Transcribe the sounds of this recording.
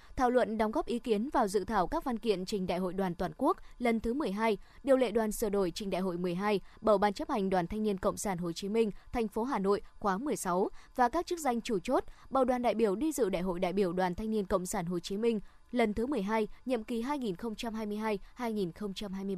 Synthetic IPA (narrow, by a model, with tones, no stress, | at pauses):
t̪ʰaː˧˩wlwə̰˧˨nɗɔ˨˦wŋ͡mɣɔ˦˥p̚ʔi˨˦ki˨˦ənvaː˨˩wzɨ̰˧˨t̪ʰaː˧˩wkaː˦˥k̚vaː˧nkḭ˧˨ənt͡ɕï˨˩ŋ̟ɗa̰˧˨jɦo̰˧˨jɗwaː˨˩nt̪waː˨˩nku˦˥ək̚lə˨˩nt̪ʰɨ˨˦mɨ˨˩əjɦaː˧jɗi˨˩əwlḛ˧˨ɗwaː˨˩nsɨː˧˩ɗo˧˩jt͡ɕï˨˩ŋ̟ɗa̰ː˧˨jɦo̰˧˨jmɨ˨˩əjɦaː˧jɓə˧˩wɓaː˧nt͡ɕə˦˥p̚ha˨˩jŋ̟ɗwaː˨˩nt̪ʰa˧ŋ̟ni˧ənkə̰˧˨wŋ͡msaː˧˩nɦo˨˩t͡ɕi˨˦mï˧ŋ̟t̪ʰɛ˨˩ŋ̟fo˨˦ɦaː˨˩no̰˧˨jxwaː˨˦mɨ˨˩əjsa˨˦wvaː˨˩kaː˦˥k̚t͡ɕɨ˦˥k̚za˧jŋ̟t͡ɕu˧˩t͡ɕo˦˥t̚ɓə̰˧˩wɗwaː˨˩nɗa̰˧˨jɓi˧˩əwɗi˧zɨ̰˧˨ɗa̰˧˨jɦo̰˧˨jɗa̰ː˧˨jɓi˧˩əwɗwaː˨˩nt̪ʰa˧jŋ̟i˧ənkə̰˧˨wŋ͡msaː˧˩nɦo˨˩t͡ɕi˨˦mï˧ŋ̟ | lə˨˩nt̪ʰɨ˨˦mɨ˨˩əjɦaː˧jɲə̰˧˨mki˨˦ɦaː˧jŋi˨˩nxə˧wŋ͡mt͡ɕa˧mhɦaː˧jmɨ˧əjɦaː˧jhaː˧jŋi˨˩nxə˧wŋ͡mt͡ɕa˧mɦaː˧jm˧